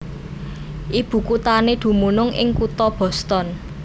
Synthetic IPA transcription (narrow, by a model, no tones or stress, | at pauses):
ʔib̥ṳkut̪aned̪̥ṳmunʊŋɪ̰ŋkut̪ɔb̥ɔ̤st̪ɔn